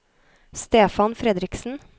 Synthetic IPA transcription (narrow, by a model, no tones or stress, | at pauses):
st̪eːfɑnfɾɛd̪ɾɪksn̩